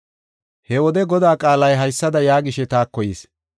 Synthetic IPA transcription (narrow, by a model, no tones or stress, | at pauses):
hɛwɔd̪ɛɡɔd̪aːkʼaːlɐjɦɐjsːɐd̪ɐjaːɡɪʃɛt̪aːkːɔjiːs